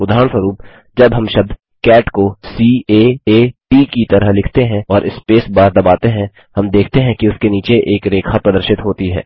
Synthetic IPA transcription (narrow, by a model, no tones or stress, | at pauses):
ʊd̪ʱaːɾəɳswəɾuːp | d͡ʒɐbɦɐmʃɐb̚d̪ʱ | kɛːʈkosiːeːeːʈiːkit̪ɐɾəɦlɪkʰt̪eɦɛ̃ɔːɾʔɪspeːsbaːɾd̪ɐbaːt̪eɦɛ̃ | hɐmd̪eːkʰt̪eɦɛ̃kiʊskeniːt͡ʃeʔeːkɾeːkʰapɾɐd̪əɾʃɪt̪ɦoːt̪iɦɛ̰ː